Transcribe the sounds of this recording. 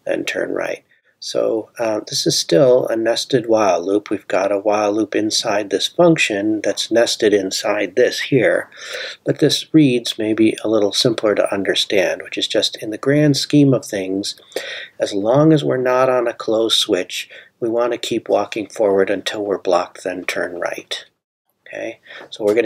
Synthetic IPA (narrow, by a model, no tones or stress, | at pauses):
ɨ̰̃ntʰɜ̰̃˞nɹa̰ɪt̚ | so̰ʊðɪsɨz̥stɪlˠə̰nɛstɨd̚waɪlˠllupʰwivɡɑɾəwaɪlˠupɨ̃nsaɪd̪̚ðɪsfʌ̃ŋkʃɨ̃nðɨtsnɛstɨɾɨ̃nsaɪd̪̚ðɪshiɹb̥ʌt̪̚ðɪsɹidz̥meɪbiʔəlɪɾl̩ˠsɪ̃mpʰlˠə˞ɾə̰ʔʌ̃ndə˞stæ̃nd̚wɨt͡ʃɨzd͡ʒʌstɨ̃nðɨɡɹæ̃nd̥skĩmʌv̥θɪ̃ŋz̥ɨzlɔ̃ŋɨzwɪ̰ɹnəɾn̩ɨkʰl̥oʊz̥swɪt͡ʃwiwɑ̃ntʰɨkʰipwɔkɪ̃ŋfɔɹwə˞ɾɨ̃ntʰɪlˠwɪɹblɑk̚ðɨ̃ntʰɜ̰̃˞nɹa̰ɪt | ookʰḛɪsoʊwɪɹɡʌ